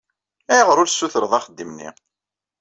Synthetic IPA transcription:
æjʁɾʊlsːuθəɾəðˤɑχəd̪ːimnḭ

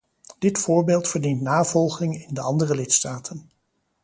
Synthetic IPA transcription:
d̥ɪtfʊːɹbeːlˠtfəɹdintnaːv̥ɔlˠχɪŋɪndəɑndərəlɪtstaːtʰən

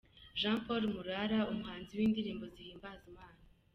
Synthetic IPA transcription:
ʒãːpoɾmuɾaɾaumuhaːnziwiːndiɾiːmbo̞zihiːmbazimaːna

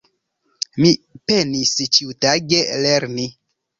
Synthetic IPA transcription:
mipenist͡ʃiutaɡeleɾni

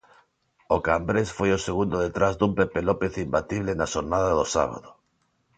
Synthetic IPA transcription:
okambɾesfojoseɣund̪oðet̪ɾazd̪umpepelopeθimbat̪iβlenaʃoɾnaðaðosa̰β̞a̰ðo

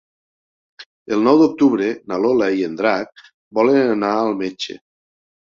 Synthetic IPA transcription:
elˠnɔwd̪uk̚t̪uβɾenalolaiend̪ɾak̚ | bɔlenanaːlˠmet͡ʃḛ

